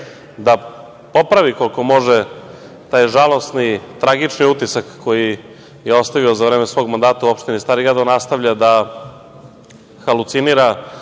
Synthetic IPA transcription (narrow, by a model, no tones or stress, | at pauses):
d̪a | po̞pɾaʋikolko̞mo̞ʒe | t̪aːjʒalˠo̞snit̪ɾaɡit͡ʂniut̪isakːo̞ji | jeo̞st̪aʋiozaʋɾeːmesʋo̞ːɡmand̪aːt̪auopʃt̪inist̪aːɾiɡɾad̪anast̪avʎad̪a | xalˠut̪siniːɾa